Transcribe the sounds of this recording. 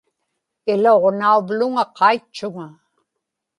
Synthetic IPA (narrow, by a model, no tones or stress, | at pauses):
ɪloʁnauvlʊŋaqʰɑit͡ʃːʊŋa